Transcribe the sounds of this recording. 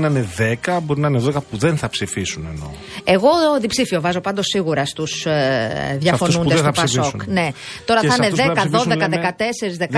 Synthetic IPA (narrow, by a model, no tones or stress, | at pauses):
nɐneðekɐbo̞ɾinɐineðoekɐpuðenθɐpsifisunḛno̞̰ | e̞ɣo̞ðipsifio̞vɐzo̞pɐnd̪osːiɣuɾɐst̪us | ðʝɐfo̞nund̪st̪opɐsokne̞ | t̪o̞ɾɐθɐneðekɐðo̞ðekɐðekɐt̪e̞se̞ɾizðekk